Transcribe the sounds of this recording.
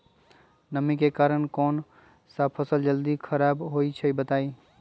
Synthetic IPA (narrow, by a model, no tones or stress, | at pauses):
nəmĩkekaːɾənkɔːn | sapʰəsəld͡ʒəld̪ikʰəɾaːbɦoit͡ʃʰəibət̪aːi